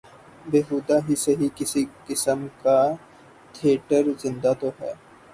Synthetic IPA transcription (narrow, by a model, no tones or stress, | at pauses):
beːɦuːd̪aɦiseɦikɪsikɪsəmka | t̪ʰieːʈəɾzɪ̃nd̪at̪oɦɛ̰ː